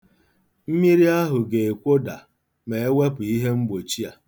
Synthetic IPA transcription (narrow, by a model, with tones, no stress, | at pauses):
m̩˦mi˦ɾi˦a˦ɦʊ˨ɡe˨e˨kʷo˦da˨ | me˨e˦we˦pʊ˨i˦ɦe˦ŋ͡m̩˦ɡ͡bo˨t͡ʃi˦a˨